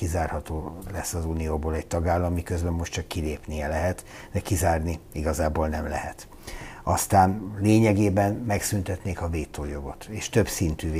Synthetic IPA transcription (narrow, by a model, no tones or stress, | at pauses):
izaːrhɒt̪oːlɛsːɒzuːnijoːboːlɛɟ̚t̪ɒɡaːlːɒmːikøzbɛmːo̞ʃtt͡ʃɒkːileːpniɛlɛɦɛt̪ | d̪ɛkizaːrniiɡɒzaːboːlnɛmlɛ̰ɦɛt̪ | ɒst̪aːnleːɲɛɡeːbɛnmɛksynt̪ɛt̪neːkɒveːt̪ːoːjo̞ɡo̞t̪eːʃt̪øbsint̪yːv